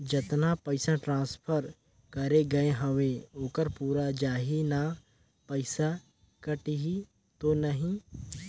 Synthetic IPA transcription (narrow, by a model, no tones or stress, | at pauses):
d͡ʒɐt̪napɐɪsãʈɾãːspʰəɾ | kɐɾeɡɐeɦɐʋeoːkəɾpuːɾad͡ʒaːɦina | pɐɪsa | kɐʈiɦi | t̪onɐɦĩ